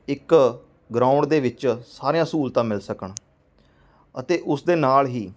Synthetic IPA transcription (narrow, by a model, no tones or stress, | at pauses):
ɪk | ɡɾãːʊ̃ɳɖd̪eːʋɪt͡ʃsaːɾeːãːsuːlt̪ãːmɪlsəkəɳ | ət̪eːʔʊsd̪eːnaːlɦiː